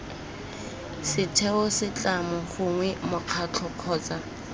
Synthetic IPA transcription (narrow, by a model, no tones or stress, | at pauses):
sɪtʰɛʊsɪt͡ɬʼamʊχʊŋwɛmʊq͡χʰat͡ɬʰɔq͡χʰɔːt͡sa